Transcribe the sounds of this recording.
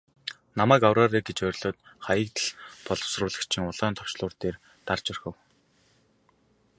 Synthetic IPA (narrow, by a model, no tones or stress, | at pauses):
namæːkawraːɾeːɡet͡ɕœːɾʲɮɔːt̪̚χajə̆k̚t̪ə̆ɮpɔɮɞ̆w̥srʊːɮə̆kt͡ɕʰĭŋʊɮœːnt̪ʰɔw̥t͡ɕɮʊːrt̪eːr | t̪art͡ɕɔrxə̆w